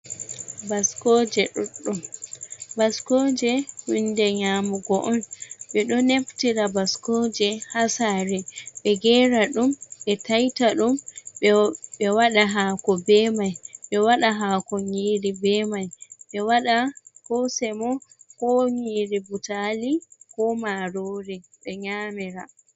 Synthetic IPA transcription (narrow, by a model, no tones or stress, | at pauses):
baskɔːd͡ʒɛɗɔɗːum | baskɔd͡ʒɛwindɛɲaːmuɡɔʔɔnɓɛɗɔneftiɾabaskɔːd͡ʒɛhasaɾɛɓɛɡɛːɾaɗumɓɛtajtaɗum | ɓɛwaɗaɦaːkɔbɛːmajɓɛwaɗaɦaːkɔɲiːɾibɛmajɓɛwaɗakɔsɛmɔkɔɲiɾibutalikɔmaɾoːɾiɓɛɲaːmiɾa